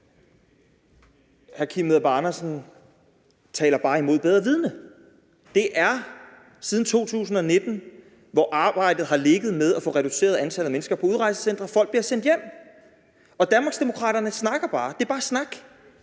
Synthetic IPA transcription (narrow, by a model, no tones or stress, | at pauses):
hæɐkʰimeðˠb̥ɑnɐsn̩ | t͡sʰɛ̰ːlɐb̥ɑ̈ːimo̝ð̰ˠbeð̞ˠʁɐʋið̞ˠnə | d̥e̝ʔæɐ | sið̞ˠn̩t͡sʰo̝̰ːt͡sʰṵːsn̩ɒ̽ne̝d̥n̩ | ʋɒʔɑ̈ːb̥ɑ̈ɪ̰d̥ð̩ˠɦɑ̈le̝ɡ̥ð̩ˠmeð̞ˠæfɔ̽ːʁɛɾ̥use̝̰ːɐðˠænt͡sʰæl̩ˠmenəsɡ̥ɐpʰɒ̽uð̞ˠʁɑ̈ɪsə̥sen̰d̥ʁɐfɒ̽l̰ɡ̥̚b̥liɐsen̰d̥jem̰ | ɒ̽d̥ænmɑ̈ɡ̥sd̥e̝mo̝kʰʁɑ̰̈ːɾ̥ɐnəsnɑ̈ɡ̥ɐb̥ɑ̈ːd̥e̝æɐb̥ɑ̈ːsnɑ̈ɡ̥